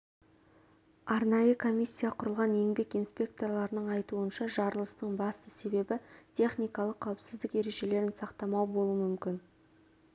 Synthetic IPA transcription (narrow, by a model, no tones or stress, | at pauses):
ɑɾnɑjəkʰo̞mʲisʲːijaqʰʊɾəlˠʁɑne̞ŋbe̞kijnspʲe̞k̚t̪o̞rlˠɑɾənəɴɑjt̪uənʃɑʒɑɾlˠəst̪əɴbɑst̪əse̞be̞bɪt̪ʲʰe̞χnijkɑlˠəqʰːɑwɪpsɪzd̪ɪke̞ɾe̞ʒe̞le̞ɾɪnsɑqt̪ɑmɑwbo̞lˠuəmʏmkʲɪn